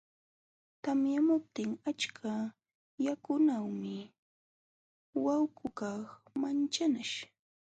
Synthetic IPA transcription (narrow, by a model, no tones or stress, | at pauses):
t̪amjamʊp̚t̪ɪŋat͡ʃkʰa | jakʊnawmɪ | wawkʰʊkɑχmant͡ʃanaʃ